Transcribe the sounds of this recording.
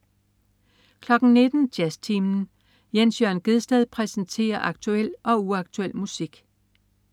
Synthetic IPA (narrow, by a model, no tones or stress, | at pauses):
kʰlɒ̽ɡ̥n̩ne̝d̥n̩d̥jæst͡sʰiːmn̩ | jensjœɐ̰nɡ̥e̝ð̞ˠsd̥ɛð̞̰ˠpʰʁɛsn̩t͡sʰe̝̰ːɐʔɑ̈ɡ̥̚t͡sʰuel̰ɒ̽uɑ̈ɡ̥t͡sʰuel̰musiɡ̥